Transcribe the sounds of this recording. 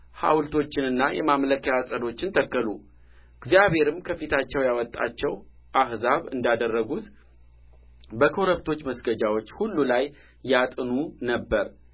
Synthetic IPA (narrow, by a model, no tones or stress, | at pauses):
ha̰wlt̪ʰo̞t͡ʃːɪnɨnːajɛ̰mamləkejasʼəd̪o̞t͡ʃːɪnt̪ʰəkːəlu | ɡzijaβhe̞ɾɨmkʰəfit̪ʰat͡ʃːɛwjawɔt̪ʼːa̰t͡ʃːɛw | ʔahzaβɨ̰nd̪ad̪ərːəɡut̪ | bəkʰo̞ɾəβt̪ʰo̞t͡ʃːməsɡəd͡ʒawo̞t͡ʃːhulːulajː | at̪ʼɨnunəbːəɾ